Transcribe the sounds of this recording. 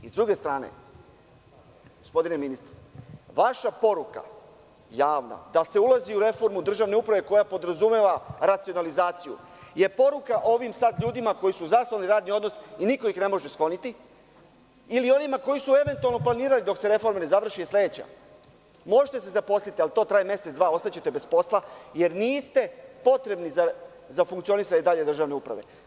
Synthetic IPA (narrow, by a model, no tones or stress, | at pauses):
izd̪ɾuɡe̞st̪ɾaːnḛ | ɡospo̞d̪ine̞minist̪ɾeʋaʃapo̞ɾuka̰ | jaːʋna̰d̪ase̞ulˠaziuɾe̞fo̞ɾmud̪r̩ʒaʋne̞upɾaʋe̞ko̞japo̞d̪ɾazume̞ʋaɾat̪sio̞nalizaːt̪sijṵje̞po̞ɾukaʔo̞ʋimsad̪ʎuːd̪imako̞jisuzasoaliɾaːd̪nio̞d̪no̞siniko̞ixne̞mo̞ʒe̞sklˠo̞nit̪i | ilio̞nimako̞jisue̞ʋe̞nt̪ualˠnoplˠaniːɾalid̪o̞kse̞ɾe̞fo̞ɾmene̞zaʋr̩ʃiesle̞d̪et͡ɕa̰ | mo̞ʒet̪e̞se̞zapo̞slit̪ialit̪o̞ːt̪ɾaːjimje̞seʋaːo̞st̪at͡ɕe̞t̪e̞be̞spo̞slˠaje̞ɾniːst̪e̞po̞t̪ɾe̞bniza | zafuŋkt̪sio̞nisaɲeid̪aʎe̞d̪r̩ʒaʋne̞upɾa̰ʋe̞̰